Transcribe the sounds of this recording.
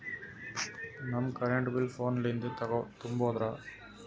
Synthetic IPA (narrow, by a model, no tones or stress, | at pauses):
nɐmkɐɾeɳɖbɪlfoːnlɐnd̪ɯt̪ɐɣoːt̪ʊmboːðɾaː